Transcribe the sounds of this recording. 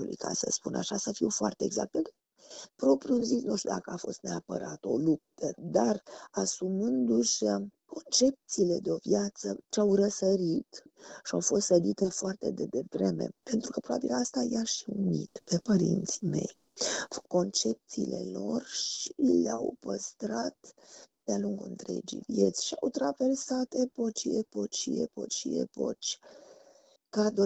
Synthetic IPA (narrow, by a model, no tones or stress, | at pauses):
olḭka̰sə̰spuna̰ʃasəfiwfoart̪e̞eɡza̰k̚t̪̚pe | pɾo̞pɾjuzisnuʃt̪jud̪akəafo̞̰st̪ne̞apə̰ɾat̪o̞̰lup̚t̪əd̪arasumɨnd̪uʃʲ | ko̞nt͡ʃe̞p̚t̪siːle̞d̪eo̞vjat̪sət͡ʃeawrəsəɾit̪ʃiawfo̞st̪səd̪it̪e̞foart̪e̞̰d̪ed̪e̞vɾe̞me̞̰pe̞nt̪ɾukəpɾobabilast̪ajaʃiunḭt̪pe̞pəɾḭnt̪sime̞̰j | ko̞nt͡ʃe̞p̚t̪siːle̞̰lo̞̰rʃileawpəst̪ɾat̪d̪̥ealuŋɡuɨ̰nt̪ɾe̞̰d͡ʒḭjvje̞t̪sʲʃiawt̪ɾave̞rsat̪epo̞t͡ʃiepo̞t͡ʃiḛpo̞̰t͡ʃḭḛpo̞̰t͡ʃʲ | kad̪o